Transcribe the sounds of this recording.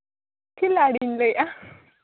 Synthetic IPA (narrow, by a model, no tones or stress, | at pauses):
kilaɽinlejʔa